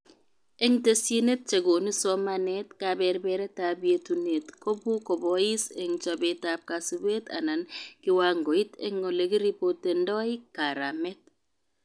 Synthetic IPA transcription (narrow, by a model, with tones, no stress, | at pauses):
e˦ŋte˦sji˦ne˦t̚t͡ʃe˨ɡo˨ni˦so˦ma˦ne˦tka˨bɛ˨ɾbɛ˦ɾe˦ta˨bje˦tu˨ne˨tko˦bu˦ko˨bɔ˦i˦se˨ŋt͡ʃo˨be˨ta˦p̚ka˨su˨be˦ta̰˨na˨nkɪ˦wa˦ŋɡo˨i˦tḛ˦ŋo˨le˨ɡi˦ɾi˦po˦te˨ndɔ˦ɪ˦ka˨ɾa˨mɛ˦t̚